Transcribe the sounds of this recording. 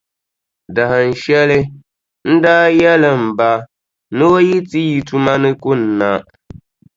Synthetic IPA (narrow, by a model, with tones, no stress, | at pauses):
da˨hɨ˨n̩˨ʃɛ˦lɨ˦ | n̩˦daː˦jɛ˦lɨ˨m̩˨ba˦ | nɨ˦o˦ji˦ti˦ji˨tu˦ma˦nɨ˦kʊ˦n̩ː˨˦a˦